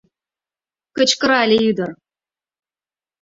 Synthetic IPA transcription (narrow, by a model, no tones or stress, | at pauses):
kə̆t͡ɕkɤ̆ɾɑlʲeyd̪ɤ̆r